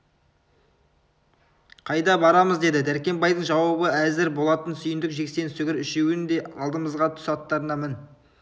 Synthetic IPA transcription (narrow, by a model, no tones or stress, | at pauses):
qʰɑjd̪ɑbɑɾɑməzd̪e̞d̪ɪd̪æɾkʲe̞mbɑjd̪əɴʒɑwɑbəæzɪɾbo̞lˠɑt̪ənsʏjɪnd̪ɪkʒe̞kse̞nsɵɡʲɪɾʏʃewɪnd̪e̞ɑ̰lˠd̪əməzʁɑt̪ʰʊ̥sɑt̪ːɑɾənɑmɪn